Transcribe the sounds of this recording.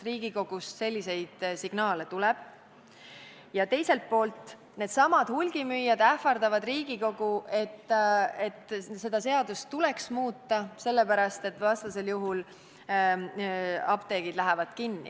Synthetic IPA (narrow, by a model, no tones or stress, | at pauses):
riːɡ̥iko̞ɡ̥usse̞lʲːise̞jd̪̥siɡ̥nɑːle̞t̪ulɛb̥ | jɑt̪e̞jse̞lt̪̚po̞ːlt̪ˑ | ne̞ːd̪̥sɑmɑd̪̥hulɡ̥imyjːɑd̪æfɑrd̪̥ɑvɑd̪̥riːɡ̥iko̞ɡ̥uʔe̞t̪ːet̪ːse̞d̪̥ɑse̞ɑd̪ustt̪ːule̞ksmuːt̪ːɑse̞lːepæɾɑst̪e̞t̪ːˑvɑst̪ɑse̞ljuɦul | ɑpt̪e̞ːɡ̥id̪̥læɦɛvɑd̪̥kinːḭ